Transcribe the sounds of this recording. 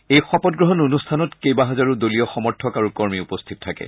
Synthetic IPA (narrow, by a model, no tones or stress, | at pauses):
ejxɔpɔt̚ɡɹɔɦɔnonustʰanɔtkejbaɦazaɹudolijɔxɔmɔɹtʰɔkaɹukɔɹmiupɔstʰitɔtʰakɛ̰